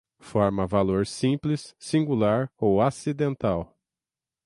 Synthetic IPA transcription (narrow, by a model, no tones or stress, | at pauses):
fɔɾmɐvaloɾsĩplɪsːĩŋɡulaɾowasid̪ẽnt̪aw